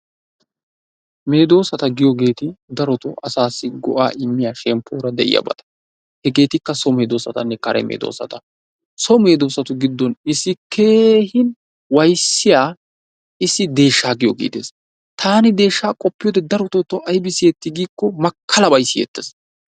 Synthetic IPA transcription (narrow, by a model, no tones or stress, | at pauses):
me̞ːd̪o̞ːsɐt̪ɐɡɪjɔɡe̞ːt̪ɪd̪ɐɾɔt̪ɔʔɐsaːsːɪɡɔʔa̰ːʔɪmːɪjaːʃɛmpːoːɾɐd̪ɛʔɪ̰jɐ̰bɐ̰t̪ɐ̥ | hɛɡe̞ːt̪ɪkːɐsɔme̞ːd̪oːsɐt̪ɐ̰nːɛkɐɾʔɛ̰mḛːd̪o̰ːsɐ̰t̪ɐ | sɔme̞ːd̪o̞ːsɐt̪ʊɡɪd̪ːɔnɪsːɪkʰe̞ːhɪn | wɐjsːɪjaː | ɪsːɪd̪e̞ːʃːaːɡɪjɔɡḭːd̪ḛːs | t̪ʰaːnɪd̪e̞ːʃːaːkʼɔpːɪjoːd̪ɛd̪ɐɾɔt̪ɔt̪ːɔʔɐjbɪsɪɛt̪ːɪɡiːkːɔmɐkʰːɐlɐbɐjsːɪjɛ̰t̪ːes